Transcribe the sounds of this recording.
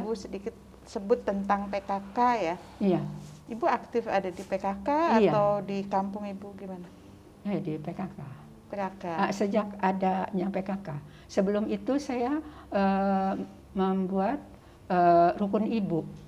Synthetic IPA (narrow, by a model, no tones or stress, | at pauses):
busədikɪt̪̚ | səbʊt̪ːənt̪aŋpekakaja | ijaibuak̚t̪ɪfa̰dadipekakaːijaawdikampʊŋibuɡimana | jadipekaka | pekakasəd͡ʒakadaɲaŋpekaka | səbəlʊmit̪usajaə | məmbuat̪̚ | ərukʊnibu